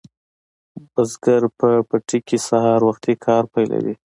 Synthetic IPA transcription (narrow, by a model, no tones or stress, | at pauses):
bazɡaɾpəpaʈikisahɑɾwaxt̪ikʰɑɾpajla̰wḭ